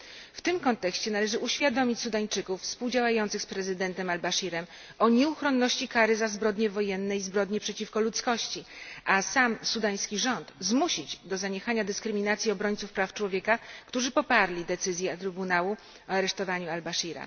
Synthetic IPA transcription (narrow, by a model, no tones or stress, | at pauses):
ft̪ɘmkɔnt̪ɛkɕt͡ɕɛnalɛʐɘʔuɕfʲjad̪ɔmʲit͡ɕsud̪aɲt͡ʂɘkuffspuwd͡ʑawajɔnt̪sɘxspɾɛzɘd̪ɛnt̪ɛmalbaʂiɾɛm | ɔɲɛuxɾɔnːɔɕt͡ɕikaɾɘzazbɾɔd̪ɲɛvɔjɛnːɛizbɾɔd̪ɲɛpʂɛt͡ɕifkɔlut̪skɔɕt͡ɕiasamsud̪aj̃skʲiʐɔnt̪zmuɕid͡ʑd̪ɔzaɲɛxaɲad̪ɘskɾɘmʲinat̪sʲjiɔbɾɔɲt̪sufpɾaft͡ʂwɔvʲjɛkakt̪uʐɘpɔpaɾlʲid̪ɛt̪sɘzʲjɛt̪ɾɘbunawu | ɔaɾɛʂt̪ɔvaɲualbaʂiɾa̰